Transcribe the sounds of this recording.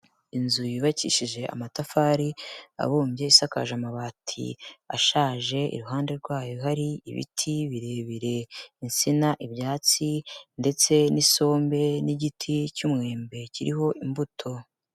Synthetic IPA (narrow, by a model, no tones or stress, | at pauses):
inzujiβacḭʃiʒe̞a̰matafaːɾia̰βuːmbje̞isaka̰ʒamaβaːtʰḭa̰ʃaːʒe̞ḭɾuɦaːnde̞ɾɡwaːjo̞ɦaɾiḭβḭtʰiβiɾe̞βiɾe̞insinaʔiβjaːt͡sinde̞t͡se̞niso̞ːmbe̞niɟitʰicumŋe̞ːmbe̞ciɾiɦo̞ʔimbutʰo̞